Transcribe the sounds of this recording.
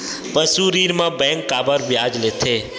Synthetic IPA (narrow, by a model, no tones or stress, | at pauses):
pəsuɾiɾmãbɛ̃ŋkːaːbəɾʋjad͡ʒlet̪ʰe